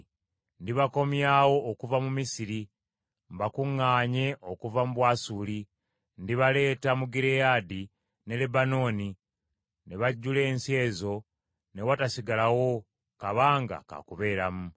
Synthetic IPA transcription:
ndiβako̞mjawo̞ʔːkuvamumisiɾi | mbakuŋːaːɲe̞ʔo̞kuvamuβwaːsuːli | ndiβale̞ːtamuɡiɾejaːdi | ne̞lebano̞ːni | ne̞βaɟːule̞ːnsje̞ːzo̞ | ne̞watasiɡalawo̞ | kaβaːŋɡa̰ka̰kuβe̞ːɾamu

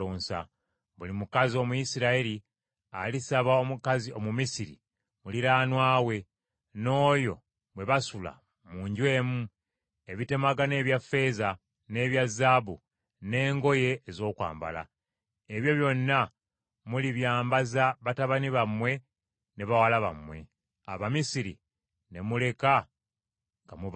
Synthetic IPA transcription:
oːnsa̰ | βulimukazio̞mujisiɾaeli | a̰lisaβaomukazio̞mumisiɾḭ | muliɾaːnwaːwe̞ | no̞ːjo̞̰ | βwe̞βasula̰ | muɲɟwe̞ːmu | e̞βite̞maɡane̞ːβjafːe̞ːza | ne̞ːβjazːaːβu | ne̞ːŋɡo̞je̞ːzo̞ːkwa̰ːmba̰la̰ | eβjo̞βjo̞nːa | muliβjaːmbazaβataβaniβamwe̞ | neβawalaβa̰mwe̞̰ | a̰βamisiɾḭ | ne̞mule̞ka | ŋɡamuβ

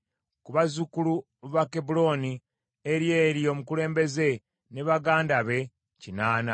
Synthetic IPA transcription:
kuβazukulu | βakebulo̞ni | eɾje̞ːɾjo̞ːmukule̞ːmbe̞ze̞ | ne̞βaɡaːndaβe̞ | cinaːna

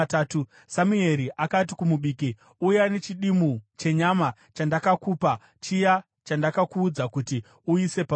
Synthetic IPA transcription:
taːtu | samue̞ɾiʔakat̬ikumuɓiːki | ujane̞t͡ʃiɗimut͡ʃe̞ɲama | t͡ʃandakakuːpa | t͡ʃija | t͡ʃandakakuːd͡zakuti | uise̞pa

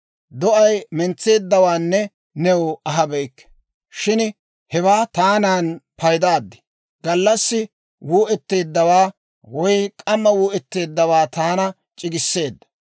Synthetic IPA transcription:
d̪ɔʔɐjmɛnt͡sːe̞ːd̪ːɐwaːnːɛ | nɛwɐɦɐbɛɪkː | ʃɪn | hɛwaːt̪aːnaːnpɐjd̪aːd̪ːɪ̥ | ɡ̥ɐlːɐsːɪ | wuːʔɛt̪ːeːd̪ːɐwaː | wɔjkʼɐmːɐwuːʔɛt̪ːe̞ːd̪ːɐwaːt̪aːnɐ | t͡ʃʼɪɡɪsːe̞ːd̪ːɐ̥

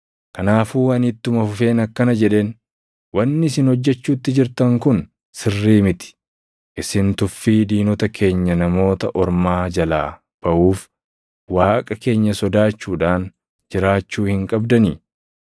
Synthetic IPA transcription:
kɐnaːfuːɐnit̪ːʊmɐfʊfe̞ːnɐkːɐnɐd͡ʒɛᶑe̞ːn | wɐnːɪs̬ɪnhɔd͡ʒːɛt͡ʃːuːt̪ːɪd͡ʒɪɾt̪ɐŋkʊn | sɪrːiːmɪt̪ɪ̥ | ʔɪsɪnt̪ʊfːiːd̪iːnɔt̪ɐkʰe̞ːɲːɐnɐmo̞ːt̪ɐʔɔɾmaːd͡ʒɐlaː | b̥ɐʔuːf | waːkʼɐke̞ːɲːɐsɔd̪aːt͡ʃːuːᶑaːn | d͡ʒɪɾaːt͡ʃːuːhɪŋkʼɐbd̪ɐniː

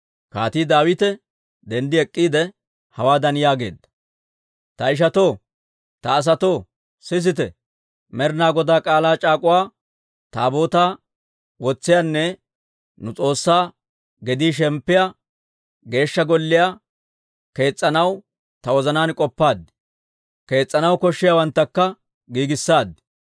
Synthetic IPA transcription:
kaːt̪iːd̪aːwɪt̪ɛ | d̪ɛnd̪ɪɛkʼːiːd̪ɛ | hɐwaːd̪ɐnjaːɡe̞ːd̪ːɐ̥ | t̪ɐɪʃ̬ɐt̪oː | t̪ɐːs̬ɐt̪o̞ː | sɪs̬ɪt̪ɛ | mɛɾnaːɡɔd̪aːkʼaːlaːt͡ʃʼaːkʼʊwaː | t̪aːbo̞ːt̪aː | wɔt͡sːɪjaːnːɛ | nʊt͡sʼo̞ːsːaː | ɡɛd̪iːʃ̬ɛmpːɪja | ɡe̞ːʃːɐɡɔlːɪja | ke̞ːt͡sʼːɐnɐw | t̪ɐwɔzɐnaːnkʼɔpːaːd̪ːɪ̥ | ke̞ːt͡sʼːɐnɐwkɔʃːɪjawɐnt̪ːɐkːɐ | ɡiːɡɪsːaːd̪ɪ̥

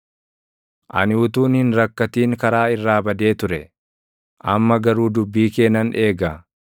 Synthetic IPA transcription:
ʔɐ̰nɪʊt̪uːnhɪnɾɐkːɐt̪iːŋkɐɾaːɪrːaːbɐd̪e̞ːt̪ʊɾɛ | ʔɐ̰mːɐɡɐɾuːd̪ʊbːiːke̞ːnːɐne̞ːɡa

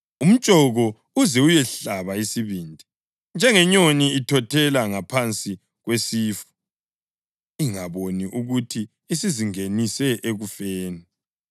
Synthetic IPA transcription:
um̩t͡ʃʼɔɣɔ | uzɛujɛɬaβaisiβiːndʱi | nd͡ʒʱɛŋɛɲoniitʰɔtʰɛlaŋapʰant͡sʼi | ɣwesiːfu̥ | iŋaβoniʔuɣutʰiː | siziŋenisɛʔeɣufɛːnɛ

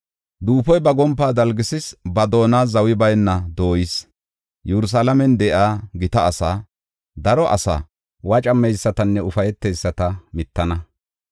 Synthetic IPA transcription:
d̪uːpɔjbɐɡɔmpːaːd̪ɐlɡɪsɪsbɐd̪o̞ːnaːzɐwɪbɐjnːɐd̪o̞ːjɪs | jɛɾʊs̬aːlɐmɛnd̪ɛʔaːɡɪt̪ɐːsaː | d̪ɐɾɔʔɐ̰sa̰ː | wɐt͡ʃʼɐmːɛjsːɐt̪ɐnːɛʊfɐjɛt̪ːɛjsːɐt̪ɐmɪt̪ːɐnɐ

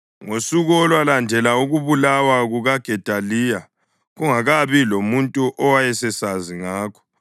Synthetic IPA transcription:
ŋosuɣɔlwalandʱɛlauɣuβulawaɣuɣaɡ̥ʱɛtʼaliːja | ɣuŋaɣaβilomuntʼuʔɔwajɛsɛsaziŋaːkʰɔ̥

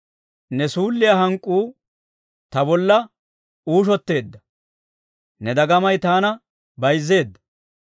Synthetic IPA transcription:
nɛsuːlːɪjɐɦɐŋkʼːuː | t̪ɐbɔlːɐ | uːʃ̬ɔt̪ːe̞ːd̪ːɐ | nɛd̪ɐɡɐmɐjt̪aːnɐ | bɐjzːe̞ːd̪ːɐ

